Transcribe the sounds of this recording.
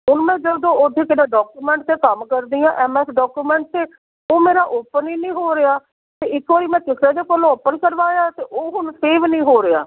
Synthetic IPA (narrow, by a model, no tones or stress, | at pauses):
ɦʊnmɛ̃ːd͡ʒəd̪õːod̪ʰʱeːkɪnãːɖɔːkuːmɛ̃ːɳʈ̚t̪eːkəmkəɾd̪iːãːʔɛːmɛːsɖɔːkuːmɛ̃ːɳʈ̚t̪eː | oːmeːɾaːʔʊpəniːnĩːɦoːɾeaː | t̪eːɪkʰoːɾiːmɛ̃ːkɪsɾeːd̪eːkəlõːəpənkəɾʋaːjaːt̪eːʔoːɦʊnseːʋnĩːɦoːɾea̰ː